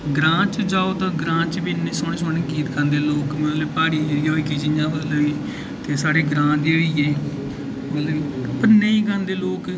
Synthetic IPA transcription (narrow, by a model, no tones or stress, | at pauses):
ɡɾãːt͡ʃd͡ʒaːoːt̪ãːɡɾãːt͡ʃbinːẽːsoːneːsoːnẽkiːt̪kʰə̃nd̪eːloːkmẽleːpaːɾiːeɾiːoːiːkiːd͡ʒijãːbəloːiː | t̪eːsaːɽeːɡɾãːd̪eːoːiːeː | məpənẽːiːkənd̪eːloːk